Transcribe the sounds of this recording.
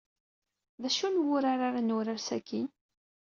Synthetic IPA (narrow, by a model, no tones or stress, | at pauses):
ðæʃunwʊɾaɾaɾanʊɾaɾsækin